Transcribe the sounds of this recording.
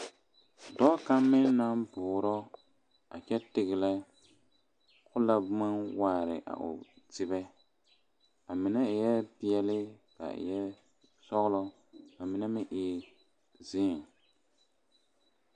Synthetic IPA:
dɔ˦ka˦mːɪ˦nːa˦mbʊː˨ɾɔ˦ | a˨t͡ʃɛ˦tɪ˨ɣɪ˨la˦ | kʊ˦la˦bʊ˦ma˦waː˦˨ɾɪ̰˨ʔa̰˨ʔʊ̰˨tɪ˨bɛ˦ | a˨mɪ˨nɛ˦˨jɛ˦pi˦ɛ˦lɪ˦ka̰˨jɛ˦ | sɔ˦ɣlɔ˦ | a˨mɪ˨nɛ˦mɪ̃˦ʔɪ˨ | zɪː˦˨ŋ

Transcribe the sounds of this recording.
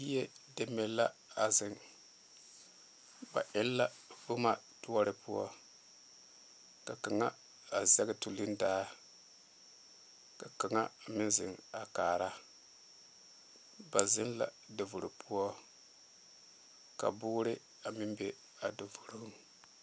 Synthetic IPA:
i˦jɛ˦de˦mɛ˦˨la˦a˨zɪ˨ŋ | ba̰˨ʔɪ˦lːa˦ | vʊ˦ma˨ | tu˦ɔ˦ɾɪ˦pʊ˦ɔ̰˦ | ka˨ka˨ŋa˦ | a˨zɛ˦ɡɪ˦tu˨lɪ˦ndaː˦ | ka˨ka˨ŋa˦˨mɪ˦nzɪ̰˨ŋa˨kaː˨ɾa˦ | ba˨zɪ˦n˦la̰˨ | do˨vu˨ɾu˨pʰu˦ɔ˦ | ka̰˨bʊː˦ɾɪ˦ | a˨mɪ˦mbe˦ | a˨do˨vu˨ɾu˦ŋ

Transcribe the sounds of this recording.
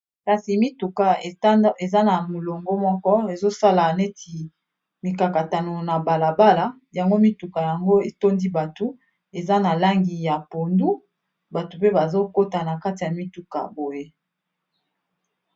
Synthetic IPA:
ka˨si˨mi˦tu˨ka˨e˨za˦na˨mo˨lo˨ŋɡo˦mɔ˦kɔ˦e˨zo˦sa˦la˨ne˦tʰi˨ | mi˨ka˨ka˨ta˨no˨na˨ba˨la˨ba˦la˨ | ja˨ŋɡo˦mi˦tu˨ka˨ja˨ŋɡo˦e˨to˦ndi˦ba˨tu˦ | e˨za˦na˨la˦ŋɡi˨ja˨po˨ndu˦ | ba˨tu˨pe˦ba˨zo˦ko˦ta˨na˨ka˦ti˨ja˨mi˦tu˦ka̰˨bo˨je˦

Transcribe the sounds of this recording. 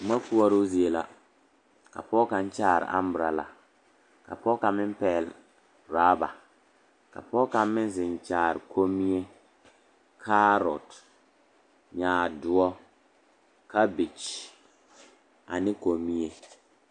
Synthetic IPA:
ma˦ku˦a˦ɾo˦zi˦e˨la˦ | ka̰˨pɔː˦ka˨n˦t͡ʃaː˦˨ɾɪ̰˨ʔa̰˦m˦bɾa˨la̰˨ | ka̰˨pɔː˦ka˨mɪ˦m˦pɛː˨l | ɾaː˦ba̰˨ | ka̰˨pɔː˦ka˨mmɪ˦n˦zɪ˨n˨t͡ʃaː˨ɾɪ˨kʰo˦mi˦e˦ | kʰa˦ɾɔ̰˨t | ɲaː˨dʊ˦ɔ˦ | ka˦bi˨t͡ʃ | a˨nɪ˦ko˨mi˦e˦

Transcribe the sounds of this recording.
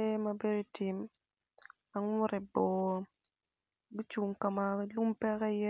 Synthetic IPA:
e˦ma˨be˦do˨ti˨m | a˨ŋwʊ˦ɾɛ˨bɔ˨ | bi˦t͡ʃu˨ŋka˨ma˨lu˦mpɛ˦kɛ˦jɛ˦

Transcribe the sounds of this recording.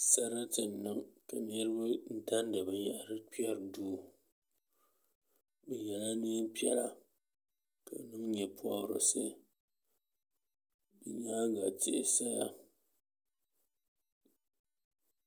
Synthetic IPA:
sa˦ɾa˦tɨ˨n˨nɨ˦ŋka˨ɲe˦ɾɨ˦bɨ˦n̩˦ta˦n˦da˨bɨ˨ja˨ʔa˨ɾɨ˦k͡pa˦ɾduː˦˨ | bɨ˨ja˨la˦ni˦pja̰˦ɾa˨ | ka̰˨nɨ˦m˦ɲɛ˨pʰwa˦˨ɾo̰˨sɨ̰˦ | bi˨ɲa˦˨ɡa˨tḛ˨ʔsa˦ja˦

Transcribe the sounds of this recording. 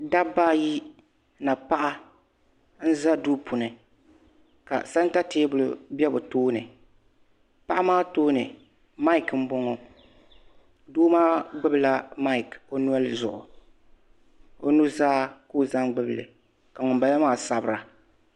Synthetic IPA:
da˦baː˦ji˦ | na˨pa˦ʔa˦ | n̩˦za˦duː˦pʰʊ˨nɨ˨ | ka̰˨sa˦n˦ta˦teː˦bʊ˨lʊ̰˦˨bɛ˦bʊ˨toː˦nɨ˨ | pa˦ʔa˦maː˦toː˦nɨ˨ | ma˦ɪ˨km̩˦bɔ˦ŋɔ˨ | duː˦maː˦ɡ͡bɨ˦bla˦ma˦ɪ˨ko˦nu˦a˦lzʊ̰˨ʔʊ̰˨ | o˦nu˦zaː˦koː˦˨za˦ŋɡ͡bɨ˦bɨ˨lɨ̰˨ | ka˨ŋʊ˨m˨ba˨la˦maː˦˨sa˨bɨ˨ɾa˨

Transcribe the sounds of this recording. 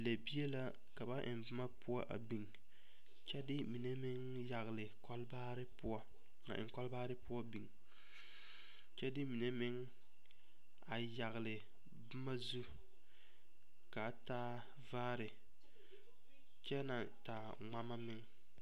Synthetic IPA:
le˨bi˦e˦la˦ | ka˨ba˦ʔɪ̰˨nbɨ˦ma˦pʊ˦a˦ʔa̰˨bi˨ŋ | t͡ʃɛ˦dɪ˦mi˨ne˦mɪ˦ŋ | ja˨ɣlɪ˨kɔ˦lba˦ɾɪ˦pʊ˦a˦ | a̰˨ʔɪ̰˨ŋ˨kɔ˦lbaː˦ɾɪ˦pʊ˦ɔ˦bi˨ŋ | t͡ʃɛ˦dɪ˦mi˨ne˦mɪ˦ŋ | a˨ja˨ɣɪ˨lɪ˨ | bɨ˦ma˦zu˦ | ka˨˦taː˦ | vaː˦ɾɪ˨ | t͡ʃɛ˦na˨ | ta˨ | ŋ͡ma˦ma˦mɪ˦ŋ

